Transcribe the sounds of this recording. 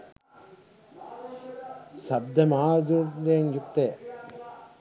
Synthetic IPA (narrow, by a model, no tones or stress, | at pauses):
sɐb̚d̪ɐmaːɾd̪uɾd̪eːŋjuk̚t̪eː